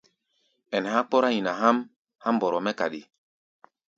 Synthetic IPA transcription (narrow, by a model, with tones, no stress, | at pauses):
ɛ˨n˨ha˦k͡pɔ˦ɾa˦jĩ˨na˨ɦa˦m | ha˦m˨bɔ˨ɾɔ˨mɛ˦ka̰˨ɗi˨